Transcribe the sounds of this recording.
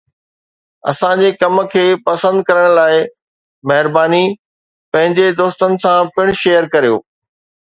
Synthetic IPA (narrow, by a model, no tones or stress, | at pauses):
ɐ̰sãd͡ʑekɐmə̆kʰeːpɐsə̃nd̪̚kɐɾəɽ̃laːɪ | mɐɦɪɾbaːni | pɐ̃ɦɪ̃ɲd͡ʑed̪oːst̪ənɪ̆sãpɪɽ̃ʃeːjəɾkɐɾijo̰ː